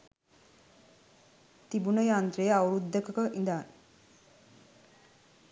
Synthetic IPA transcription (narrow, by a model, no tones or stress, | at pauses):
t̪ibunəjant̪ɾejawɾud̪ʱːəkəkəʔind̪an